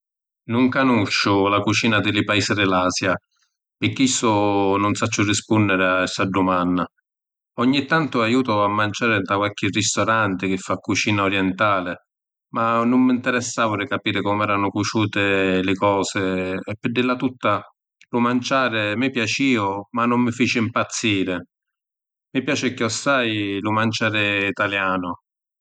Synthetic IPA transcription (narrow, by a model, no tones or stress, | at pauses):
nʊŋkanut͡ʃːʊlakut͡ʃiːnad̪ɪlɪpaiːsɪd̪ɪlaːsja | pɪkːisːʊnʊnsat͡ʃːʊrispunːɪɾɪaɛsaɖːumanːa | ɔɲːit̪ːant̪ʊajuːt̪ʊamːant͡ʃaːɾɪt̪akwalkɪrist̪ɔɾant̪ɪk̟ɪfːakːut͡ʃiːnaɔɾjɛnt̪aːlɪ | manːʊmːint̪ɛɾɛsːaːvʊɾɪkːapiːɾɪkɔmɛːɾanʊkut͡ʃuːt̪ɪlɪkɔːsɪɛpːɪd̪ilːat̪ut̪ːa | lʊmant͡ʃaːɾɪmɪpjat͡ʃiːʊmanːʊmːɪfiːt͡ʃɪimpat̪sːiːɾɪ | mɪpjaːt͡ʃɪkɪɔsːajlʊmant͡ʃaːɾɪit̪aljaːnʊ